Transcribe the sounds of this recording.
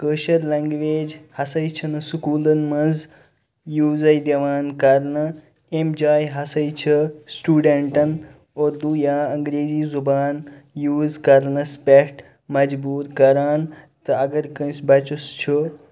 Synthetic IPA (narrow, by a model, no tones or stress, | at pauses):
kəːʃɐɾleŋɡʋeːd͡ʒhɐsɐjt͡ʃʰɐnɐsukuːlɐnmɐd͡z | juːzɐjd̪ɐʋaːnkɐɾnɐ | emd͡ʒaːjɦɐsɐjt͡ʃʰɐsʈuːɖeɳʈɐn | oːɾd̪uːjaːɐŋɡɾeːziːzubaːnjuːzkɐɾnɐspʲekʰʈ | mɐd͡ʒbuːɾkɐɾaːn | t̪ɐɐɡɐɾkɐ̃nsbɐt͡ʃust͡ʃʰo